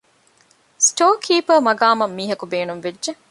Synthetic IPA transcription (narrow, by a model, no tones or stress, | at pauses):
sʈoːkʰiːpɐmɐɡaːmɐmːiːɦɐkubeːnumʋed͡ʒe